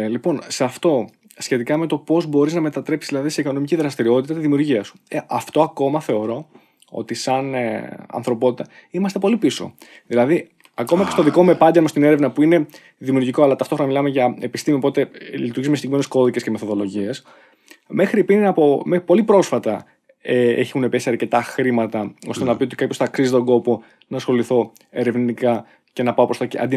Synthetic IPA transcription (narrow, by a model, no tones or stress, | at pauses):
lipo̞nseɐft̪o̞ | sçe̞t̪ikɐme̞t̪o̞po̞zbo̞ɾiznɐme̞t̪ɐt̪ɾe̞psizðilɐðiseiko̞no̞miciðɾɐst̪iɾio̞t̪it̪ɐt̪izðimiuɾʝiɐsu̥eʔɐft̪o̞ɐko̞mɐθe̞o̞ɾo̞ | o̞̰t̪isɐnɐ̰nθɾo̞po̞t̪it̪ɐ | imɐst̪e̞po̞lipiso̞̰ | ðilɐði | ɐko̞mɐce̞st̪oðiko̞me̞pɐnd̪eɐmst̪ine̞ɾevnɐpuine̞ | ðimiuːɾʝiko̞ɐlɐt̪ɐft̪oxɾo̞nɐmilɐme̞ʝɐepist̪imiopot̪elit̪uɾʝizumesd̪iimensko̞ðice̞sceme̞θo̞ðo̞lo̞ʝies | me̞xɾipinnɐpompo̞lipɾo̞sfɐt̪ɐ | eeçunepesiɐɾce̞t̪ɐxɾimɐt̪ɐo̞st̪e̞nɐpio̞t̪i̥kapjosθɐksizit̪o̞ɡo̞po̞ | nɐsxo̞liθo̞ | e̞ɾe̞vniikɐ | ce̞nɐpɐopɾft̪ɐeɐ̰nd̪i